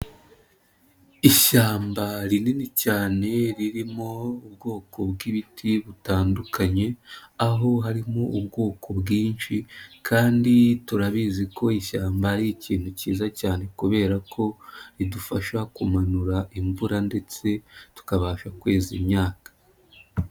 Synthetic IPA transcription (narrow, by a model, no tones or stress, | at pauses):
iʃaːmbaɾininicaːne̞ɾiɾimo̞ubɡo̞ːko̞bɡiβitʰiβutaːndukʰaɲe̞aɦo̞ɦaɾimoubɡo̞ːkʰo̞bɡiːnʃikʰaːndituɾaβiziko̞iʃaːmbaɾiciːn̥huciːzacaːne̞kuβe̞ːɾakʰo̞ɾidufaʃakumanuɾaʔimvuɾande̞t͡se̞tu̥kaβaːʃakwe̞ːzimɲaːkḁ